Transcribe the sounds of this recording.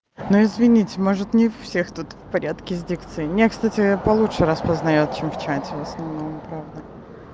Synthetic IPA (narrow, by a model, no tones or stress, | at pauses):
nuɪzvʲɪnʲitʲɪmo̞ʐɨt̪nʲɪfsʲext̪ut̪fpɐɾʲat̪kʲɪɪzʲdʲikt̪sɨɪnʲekst̪atʲɪpɐlˠutʂɨɾaspəznɐjo̞t̪̚t͡ɕemft͡ɕætʲɪvəsnɐvno̞mpɾavd̪ə